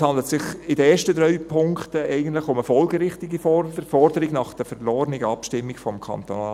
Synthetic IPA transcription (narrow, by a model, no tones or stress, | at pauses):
hɑnd̪lətsɪχɪdəeːʃtədɾœɥpʰʊŋktəɛɪɡən̩tlɪχʊməfɔlɡəɾɪχtɪɡifɔfɔɾdəɾɪɡnɑχd̥əfɛɾlɔːɾnɪɡəɑpʃtɪmːɪɡfɔmkʰɑ̰nt̪ona